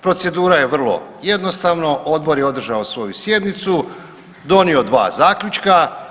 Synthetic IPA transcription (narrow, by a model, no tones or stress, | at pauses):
pɾo̞t̪se̞d̪uːɾaje̞ʋr̩lo̞̰je̞d̪no̞st̪aʋno̞ʔo̞d̪bo̞ɾjeo̞d̪r̩ʒaosʋo̞jusje̞d̪nit̪su | d̪o̞nio̞d̪ʋa̰ːzaːkʎʲut͡ʃka